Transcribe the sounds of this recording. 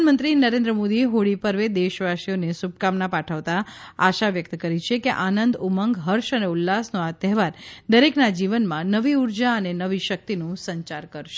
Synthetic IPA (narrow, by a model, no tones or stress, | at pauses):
nmə̃nt̪ɾinəɾẽnd̪ɾəmod̪iɦoɭipəɾʋed̪eʃʋaʃijonesup̚kamnapaʈʰəʋt̪aaʃaʋjək̚t̪kəɾit͡ʃʰekeʔanənd̪uməŋɡɦəɾʃəneulːasnoat̪ɛɦʋaɾd̪əɾeknad͡ʒiʋənmãnəʋiuɾd͡ʒaənenəʋiʃək̚t̪inũsəɲt͡ʃaɾkəɾʃe